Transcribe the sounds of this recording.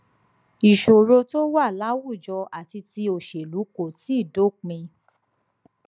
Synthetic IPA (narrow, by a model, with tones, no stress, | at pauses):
i˨ʃo˨ɾo˧to˦wa˦˨la˦wu˦˨d͡ʒɔ˧a˨ti˧ti˧o˨ʃe˨lu˨˦ko˦˨ti˨˦˨do˦˨k͡pĩ˧